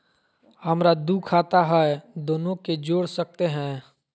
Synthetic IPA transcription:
həmɾad̪uːkʰaːt̪aɦɛɛd̪oːnõked͡ʒoːɽsək̚t̪eɦɛ̃ː

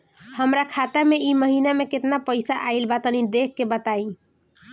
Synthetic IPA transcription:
həmɾakʰat̪emeiməɦinameket̪napəjsaʔailbat̪ənid̪ekːebət̪ai

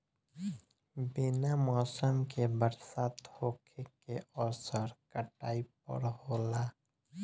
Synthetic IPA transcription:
bɪnamɔːsəmkebəɾsaːt̪hoːkʰekeɔːsəɾkəʈaːip̚ə̰ɾɦoːlaː

